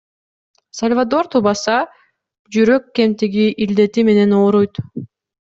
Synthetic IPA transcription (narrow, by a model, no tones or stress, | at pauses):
salʲvad̪o̞ɾt̪ubɑsɑ | d͡ʒyɾøkːe̞mt̪iɡiʔild̪e̞t̪ime̞ne̞noːɾujt̪